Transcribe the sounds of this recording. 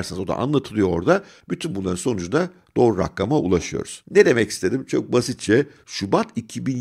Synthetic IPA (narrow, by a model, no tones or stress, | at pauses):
ɾsɯnzo̞d̪a̰ʔa̰nlˠat̪ʰɯlˠɯjo̞oɾd̪a | byt̪ʰynbunlˠaɾɯnso̞nud͡ʒund̪ad̪̥o̞ːɾuɾa̰klːamaṵlˠaʃɯjo̰ɾuz̥ned̪e̞mɛci̥st̪ʰe̞d̪imt͡ʃʰo̞k̚basit̪̚t͡ʃʰɛ | ʃubat̪ʰicʰibin